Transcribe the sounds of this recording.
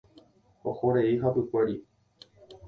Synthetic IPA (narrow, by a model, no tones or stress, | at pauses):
ohoɾeiɦapɨkʷe̞ɾi